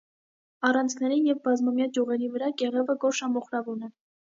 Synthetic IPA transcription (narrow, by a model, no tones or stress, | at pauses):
ɑrɑnt͡sʰnɛɾinjɛvbɑzmɑmjɑɡjuʁɛɾivəɾɑɡɛʁɛvəɡɔɾʃɑmɔχɾɑvunɛ